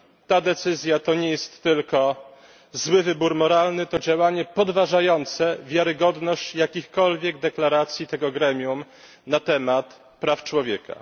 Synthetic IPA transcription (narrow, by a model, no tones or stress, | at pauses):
t̪ad̪ɛt̪sɘzʲjat̪ɔɲɛjɛst̪ːɘlkɔ | zwɘvɘbuɾmɔɾalnɘt̪ɔd͡ʑawaɲɛpɔd̪vaʐajɔnt̪sɛvʲjaɾɘɡɔd̪nɔɕt͡ɕjakʲixkɔlvʲjɛɡd̪ɛklaɾat̪sʲjit̪ɛɡɔɡɾɛmʲjum | nat̪ɛmat̪ | pɾaft͡ʂwɔvʲjɛkʰa̰